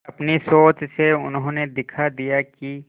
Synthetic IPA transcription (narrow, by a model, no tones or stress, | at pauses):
ɐpnisoːt͡ʃseʊnɦõːned̪ɪkʰad̪ijaki